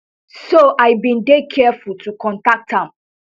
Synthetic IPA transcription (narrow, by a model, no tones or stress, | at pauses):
soʔaɪbĩndekʰɛfultʰukɔ̃ntak̚thãm